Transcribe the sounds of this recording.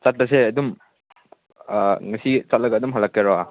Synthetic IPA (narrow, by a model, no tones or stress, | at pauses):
sat̚pɐseɐdum | ŋɐsit͡ʃat̚lɐɡaːdumɦalakːeɾɔa